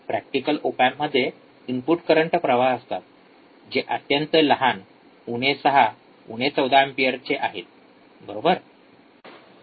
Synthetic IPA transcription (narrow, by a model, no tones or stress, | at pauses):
pɾæk̚ʈikəlopamːəd̪ʱːje | impuʈkəɾəɳʈəpɾəʋaəst̪at̪̚ | d͡ʑeʔət̪jãnt͡sələɦan | uñesəɦa | uɽ̃et͡səwd̪ʱaempiəɾt͡ɕeʔaɦet̪̚ | bəɾobəɾ